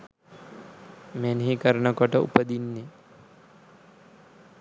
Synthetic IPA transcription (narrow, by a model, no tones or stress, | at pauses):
mɛnɦikəɾɳəkɔʈəṵpəd̪inːe